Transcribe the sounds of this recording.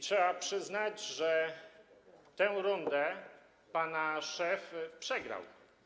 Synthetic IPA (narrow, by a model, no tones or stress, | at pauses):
tʂɛbapʂɘznad͡ʑʐɛ | t̪ɛ̃ɾɔnd̪ɛ | panaʂɛfpʂɛɡɾa̰w